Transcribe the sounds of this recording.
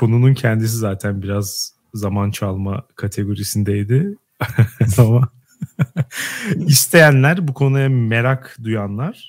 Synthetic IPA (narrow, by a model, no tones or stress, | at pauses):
bunununcʰɛnd̪is̬izaːt̪ʰænbiɾazː | amant͡ʃʰalˠma̰kʰat̪ʰe̞ɡo̞ɾisind̪ejd̪ɪ | ama | ist̪ʰe̞jænlʲæɾbukʰo̞nujame̞ɾakd̪ujanlˠaɾ̥